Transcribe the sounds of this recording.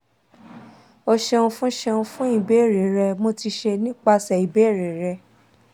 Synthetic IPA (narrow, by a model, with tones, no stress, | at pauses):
o˧ʃɛ˧ũ˧fũ˦ʃɛ˧ũ˧fũ˦i˦˨be˨˦e˦˨ɾe˨˦ɾɛ˧mo˧ti˧ʃe˧nĩ˦k͡pa˧sɛ˨i˨be˨˦˨ɾe˨˦ɾɛ˧˦